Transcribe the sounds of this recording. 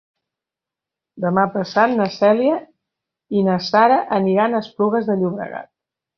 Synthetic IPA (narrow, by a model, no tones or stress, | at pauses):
d̪əmapəsat̪̚nəsɛliə | inəsaɾəʔəniɾanəspluɣəzðəʎuβɾə̰ɣa̰t̪̚